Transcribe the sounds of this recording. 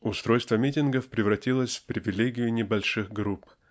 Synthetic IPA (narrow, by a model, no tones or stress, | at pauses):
ʊst̪ɾo̞jst̪vəmʲitʲɪnɡəfpɾʲɪvɾɐtʲilˠəsʲfpɾʲɪvʲɪlʲeɡʲɪjʊnʲɪbɐlʲʂɨxɡɾup